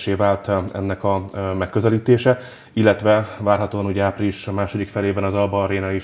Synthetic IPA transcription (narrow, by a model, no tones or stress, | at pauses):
ʃeːvaːlt̪ɛ̰nːɛkɒmɛkːø̞zɛliːt̪eːʃɛ | ilːɛt̪ʋɛvaːrɦɒt̪oːɒnuːɟɛaːpriliʃmaːʃo̞d̪ikfɛleːbɛnɒzɒlbɒreːnɒi